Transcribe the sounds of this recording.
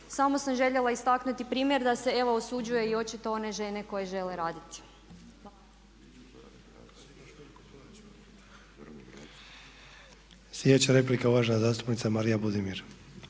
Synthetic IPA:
samo̞samʒe̞ʎe̞lˠaist̪aknut̪ipɾiːmje̞ɾd̪ase̞e̞ʋo̞osud͡ʒuje̞io̞t͡ʃit̪o̞o̞ne̞ʒene̞ko̞jeʒe̞le̞ɾaːd̪it̪i̥ | sljed̪et͡ɕaɾe̞plikauʋaʒnazaːst̪u̥pnit̪samaɾijabud̪imiɾ

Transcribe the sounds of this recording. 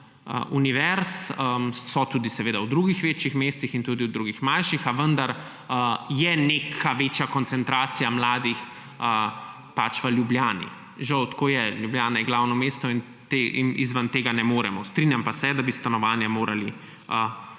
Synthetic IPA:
ə̰ʔuniʋɛɾsəsɔt̪uːd̪isɛʋeːd̪awd̪ɾuɡixʋeːt͡ʃjixmeːst̪ixint̪uːd̪iwd̪ɾuɡixmanʃixaʋənd̪aɾ | əjɛnekʰaʋeːt͡ʃjakɔnt̪sɛnt̪ɾaːt̪sijamlaːd̪ix | ə | pat͡ʃʋəljubljaːnḭ | ʒawt̪koːjɛljubjaːnajɛɡlawnɔmeːst̪ɔin | t̪eʔinḭzʋənt̪eːɡanɛmoːɾɛmɔst̪ɾinjampasɛd̪abist̪anɔʋaːnjamoːɾali | ə

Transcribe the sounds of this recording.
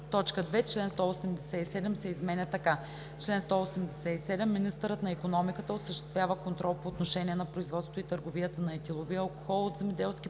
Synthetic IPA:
t̪ɔt͡ʃkəd̪vɛt͡ʃlɛnst̪ɔosɛmd̪ɛsɛisɛd̪ɛmsɛizmɛnʲɐt̪ɐka | t͡ʃlɛnst̪ɔosɛmd̪ɛsɛisɛd̪ɛmːinist̪əɾət̪nɐikonɔmikət̪əosəʃt̪ɛ̥st̪vʲjavəkont̪ɾʔɔlˠpoːt̪noʃɛnʲiɛnɐpɾoizvɔt̪sŏ̥t̪oit̪əɾɡoviət̪ənɐɛt̪ʲilˠoviəɐlˠkoxɔlˠot̪zɛmɛd̪ɛlˠsk̟ʲi

